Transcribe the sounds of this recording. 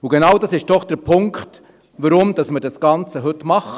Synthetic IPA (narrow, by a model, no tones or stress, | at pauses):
uɡenɑwdɑsɪʃd̥ɔχd̥əɾpʰʊŋkχt | ʋəɾʊmd̥ɑsməɾdɑsɡ̥ɑnt͡səɦɵtmɑχ